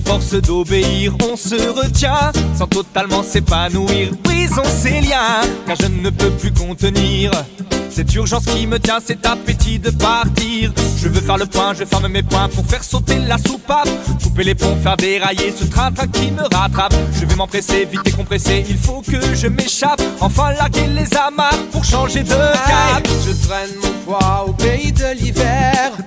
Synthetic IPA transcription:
fɔʁsd̪obeiʁɔ̃səʁət̪jɛ̃sɑ̃t̪ɔt̪almɑ̃sepanuiʁwizɔ̃seljɛ̃kaʁʒənəpøplykɔ̃t̪əniʁsɛt̪yʁʒɑ̃skʲimət̪jɛ̃sɛt̪apet̪id̪əpaʁt̪iʁʒəvøfɛʁləpwɛ̃ʒəfɛʁməmepwɛ̃puʁfɛʁsot̪elasupapkupelepɔ̃fɛʁd̪eʁajesət̪χɛ̃t̪χɛ̃kʲiməʁat̪χapʒ̥əvɛmɑ̃pχesevit̪ekɔ̃pχeseilfokəʒəmeʃapɑ̃fɛ̃laʁɡelezamaʁpuʁʃɑ̃ʒed̪əkajpʒət̪χɛnmɔ̃pwaopeid̪əlivɛʁ

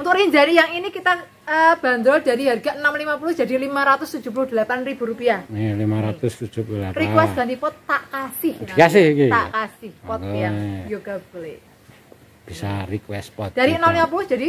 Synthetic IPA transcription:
unt̪ʊkriɲd͡ʒanijaŋinikit̪a | əb̥a̤nd̪ɾɔld̥adiɦarɡa̤ʔənamlimapulʊ̥d͡ʒ̥adilimaɾat̪ʊst̪ud̥d͡ʒ̥ṳp̬ulʊhd̪̥ə̤lap̪anrib̥ṳɾupiahlimaɾat̪ʊst̪ud͡ʒ̥upulularikwɛst̪ɡ̥ant̪ipɔt̪ːaʔkasɪhd̪ikasɪhikit̪a̰ʔkasɪhpɔt̪̚jaŋjoɡ̥ab̥əle | b̥isarikwɛst̪̚pɔt̪̚d̥aɾiənamlimap̬ulʊhd̥d͡ʒ̥adi

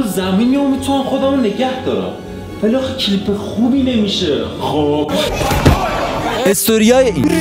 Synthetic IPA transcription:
zæminiomit̪ʰunæmxod̪æːmneɟæhd̪ɒɾæ̰m | væliɒːxecʰlipʰexubinemiʃexo̥ | est̪oɾijɑːje

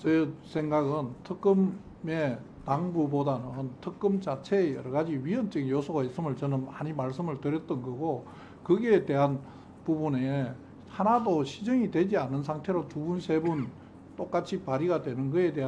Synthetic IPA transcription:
t͡ɕʌsʰeŋɡaɡɯntʰɯk͈ɯm | me | taŋbubodanɯntʰɯk͈ɯmt͡ɕat͡ɕʰe̞jʌ̰ɾʌɡad͡ʑiɥiʌnt͡ɕ͈ʌɡijosʰoɡaɦes͈ɯmɯɭt͡ɕʌnɯnmaɲimaɭs͈ɯmɯɭtɯɾjʌt̚t͈ʌnɡʌɡo | kɯɡeːde̞ɦan | pubune | hanadoɕʰid͡ʑʌŋidwe̞d͡ʑianːɯns̬ʰaŋtʰe̞ɾotubunsʰe̞bun | t͈ok͈at͡ɕʰipaɾiɡadwe̞nɯnɡʌe̞deɦa

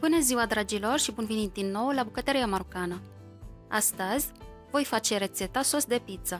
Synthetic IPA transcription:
pɨnəziwad̪ɾad͡ʒilo̞rʃibunvenit̪̚d̪inːo̞wlabukət̪əɾijamaɾokanə | ast̪əzʲ | vo̞jfat͡ʃe̞ɾe̞t̪se̞t̪aso̞sd̪e̞pit̪sə

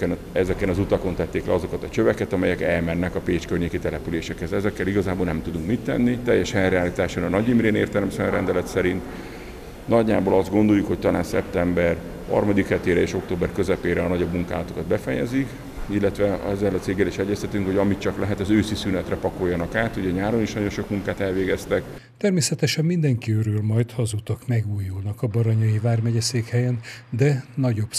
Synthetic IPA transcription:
ɛn | ɛzɛkɛnɒzut̪ɒko̞nt̪ɛt̪ːeːklɛ̰ɒzo̞kɒt̪ɒt͡ʃøvɛkɛt̪ɒmɛjɛkɛlmɛnːɛkɒpeːt͡ʃkørɲeːkit̪ɛlɛpyleːʃɛkhɛzɛzɛkːɛliɡɒzaːbolnɛmt̪ud̪uŋkmit̪ːɛ̰nːit̪ɛjːɛʃɛlrɛaːliːt̪aːʃonɒnɒɟimɾeːnḛːrt̪ɛlmsɛnrɛnd̪ɛlɛt̪sɛɾint̪ | nɒɟːaːboːlɒzd̪ɡo̞nd̪o̞jukho̞ct̪ɒlaːnsɛ̰p̚t̪ɛmbɛr | hɒ̰rmɒd̪ikhɛt̪eːɾɛeːʃo̞k̚t̪oːbɛrkø̞zɛpeːɾɛɒnɒɟo̞bmuŋkaːlɒt̪o̞kɒd̪bɛfɛjɛ̰zik | ilːɛt̪ʋɛɛzːɛlːɒt̪seːɡːɛliʃɛɟːɛst̪ɛt̪yŋkho̞ɟɒmit͡ʃɒklɛɦɛt̪ɒzøːsisynɛt̪rɛpɒko̞jːɒnɒkaːt̪uɟɛɲaːɾoniʃnɒɟo̞nʃo̞kmuŋkaːt̪ɛlveːɡɛst̪ɛk | t̪ɛrmeːsɛt̪ɛʃɛmmind̪ɛŋkiøɾøːlmɒjt̪hɒzut̪ɒkmɛɡuːjulnɒkɒbɒɾɒɲɒjivaːrmɛɟɛseːkhɛjɛnd̪ɛnɒɟo̞b̥

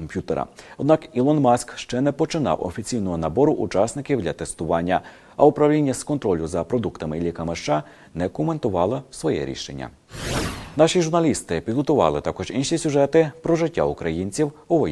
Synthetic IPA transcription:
mpʲjut̪eɾɐ̰ɔd̪nɑkilˠɔnmɑsʲkʃt͡ʃɛnɛpɔt͡ʃɪnɑ̰wɔ̰fʲit͡sʲijnɔɦɔnɐbɔɾʊʔʊt͡ʃɑsnɪkʲiwd̪ʲlʲɐt̪est̪ʊʋɑnʲːɐ | ɐʊpɾɐwlʲinʲːɐskɔnt̪ɾɔlʲʊzɐpɾɔd̪ukt̪ɐmɪilʲikɐmɪʃt͡ʃɑ | nɛkʊme̞nt̪ʊʋɑlˠɪsʋɔjɛ̰ɾʲḭʃḛnʲːɐ̰ | nɑʃiʒʊrnɐlʲist̪ɪpʲid̪ɦɔt̪ʊʋɑ̰lˠɪt̪ɑkɔʒinʃisʲʊʒɛt̪ɪpɾɔʒɪtʲːa̰ʊkɾɐjinʲt͡sʲiwɔʋɔ

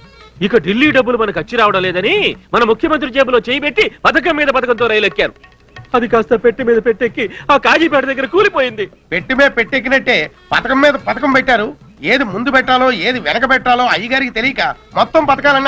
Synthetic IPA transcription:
ikɐɖilːiːɖɐbːulumɐnɐkɐt͡ʃːiɾaːʋɐɽɐmlɛːd̪ɐnimɐnɐmukʰjɐmɐnt̪ɾid͡ʒeːbulo̞ːt͡ʃeːjɐbe̞ʈːipɐt̪ɐk̬ɐmːiːd̪ɐpɐt̪ɐkɐnt̪oːɾɐjɐlɐkːaːɾu | ɐd̪ikaːst̪ɐpeʈːimiːd̪ɐpe̞ʈːekːiaːkaːd͡ʒiːpɛːʈɐd̪ɐɡːɐɾɐkuːlipoːjind̪i | peʈːimeːɐpeʈːek̬ːinɐʈːe̞ː | pɐ̰t̪ɐkɐmːiːd̪ɐpɐt̪ɐkɐmpɛʈːaːɾu | eːd̪imund̪upɛʈːaːlo̞ːeːd̪iʋɛnɐk̬ɐpɛʈːaːlo̞ːɐjɐɡaːɾikit̪elijikɐmɔt̪ːɐmpɐt̪ɐkaːlɐnː

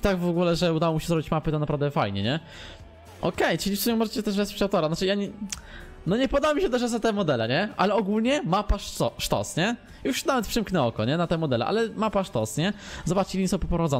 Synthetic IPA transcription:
t̪aɡvɔɡulɛʐɛud̪awɔmʲiɕɛzɾɔbʲit͡ɕmapɘt̪ɔnapɾavd̪ɛfajɲɛɲɛ | ʔɔkɛjt͡ʂɘlʲifsumʲɛmɔʐɛt͡ɕɛt̪ɛʐvɛspt͡ɕawt̪ɔɾanat͡ʂɨjaɲɛ | nɔɲɛpɔd̪awmʲiɕɛt̪ɛʐazat̪ɛmɔd̪ɛlɛɲɛʔalɛɔɡulɲɛmapaʂɔʂt̪ɔ̰sɲɛ | juʂnavɛt̪̚pʂɘmknɛɔkɔɲɛnat̪ɛmɔd̪ɛlɛ̰ʔa̰lɛmapaʂt̪ɔsɲɛzɔbat͡ʂt͡ɕiɲʲisɔwpɔpɾɔvad̪zɔn

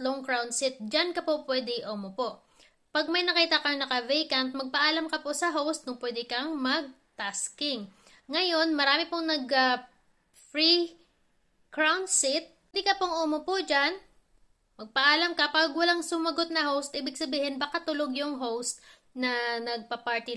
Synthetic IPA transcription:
t̪loŋkɹawnd̪sɪt̪̚d͡ʒankɐpopwɛːd̪ɛʔoːmopoʔ | pɐɡ̚mɐjnɐkiːt̪ɐkɐŋnɐkɐvɛjkɐnt̪̚mɐɡ̚pɐʔaːlɐmkɐposɐɦowst̪̚kʊŋpwɛːd̪ɛkɐŋmɐɡ̚ | t̪askɪŋː | ɐjo̞nmɐɾaːmɪpoŋnɐɡɐ | fɹi | kɹawnsɪt̪̚ | d̪ikɐpoŋʔoːmopod͡ʒan | mɐɡ̚pɐʔaːlɐmkɐpɐɡwɐlaŋsʊmɐɡo̞t̪̚nɐhowst̪̚ʔiːbɪɡsɐbiːhɪnbakat̪ʊloɡjʊŋɦowst̪̚ | nɐnɐɡ̚pɐpaɹt̪i

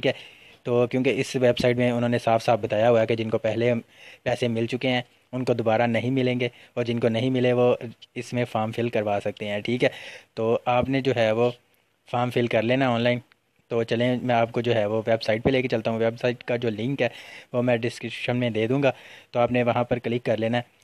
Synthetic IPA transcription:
iːkɦɛː | t̪oːkjõːkeɪsʋeːbsaːɪʈmẽʊnɦõːnesaːfsaːfbɐt̪aːjaɦʊaked͡ʒɪnkopɛɦle | pɛːsẽmɪlt͡ʃʊkeɦɛ̃ː | ʊnkod̪obaːɾanɐɦĩmɪlẽːŋɡeː | ɔːɾd͡ʒɪnkonɐɦĩmɪleʋoɪsmẽfʰaːɾmfʰɪlkɐɾʋaːsɐk̚t̪eɦɛ̃ːʈʰiːkɦɛːt̪oːaːpned͡ʒoːɦɛʋo | faːmfʰɪlkɐɾleːnaɔːnlaːɪn | t̪oːt͡ʃɐlẽmɛ̃aːp̚kod͡ʒoːɦɛʋoʋɛːbsaːɪʈ̚peleːket͡ʃɐlt̪aɦũʋɛbsaːɪʈkad͡ʒoːlɪ̃ŋkɦɛːʋomɛ̃ːɖɪskɪʃənmẽd̪eːd̪ũːŋɡaːt̪oaːpnẽʋɐɦãpɐɾkɐlɪkːɐɾleːnaɦɛ

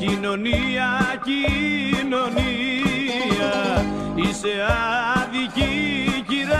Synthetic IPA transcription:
cinoniacinoni | a | iseaðiciciða

